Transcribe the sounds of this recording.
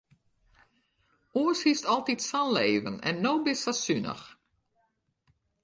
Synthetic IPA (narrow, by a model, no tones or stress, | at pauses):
uəshistɔlˠtitsanleːvənɛ̰nːoːbɪsasynə̰x